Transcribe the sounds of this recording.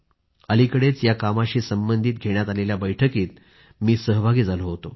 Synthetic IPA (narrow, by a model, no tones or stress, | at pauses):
əlikəɽet͡sjakamaɕiːsəmbənd̪ʱiːt̪̚ɡʱeɳjat̪aleljabəjʈʰəkiːt̪̚ | miːsəɦbʱaɡiːd͡zʱaloɦot̪o